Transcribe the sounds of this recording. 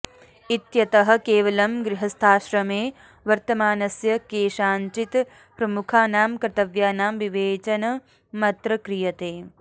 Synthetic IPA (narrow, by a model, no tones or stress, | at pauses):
it̪jɐt̪ɐɦɐ̆keːʋɐlɐmɡɾiɦɐst̪ʰaːʃɾɐmeː | ʋɐɾt̪ɐmaːnɐsjɐkeːʃaːɲt͡ʃit̪ | pɾɐmukʰaːnaːmkɾɐt̪ɐʋjaːnaːmʋiʋeːt͡ʃɐnɐ | mɐt̪ɾɐkɾijɐt̪eː